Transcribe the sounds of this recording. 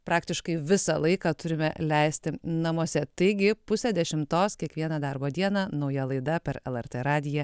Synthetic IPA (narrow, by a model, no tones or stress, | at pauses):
pɾɑːkt̪ʲɪʃkɐɪʋʲɪsɑlˠɐɪkɑːt̪ʊɾʲɪmʲɛlʲɛɪsʲt̪ʲɪnɐmuɔsʲɛt̪ɐɪɡʲɪpʊsʲɛd̪ʲɛʃʲɪmt̪oːskʲiɛkʋʲiɛnɑd̪ɑrboːd̪ʲiɛnɑnɐʊjɛlˠɐɪd̪ɐpʲɛɾɛlˠɛɾʲt̪ʲeːɾɑːd̪ʲɪjɛ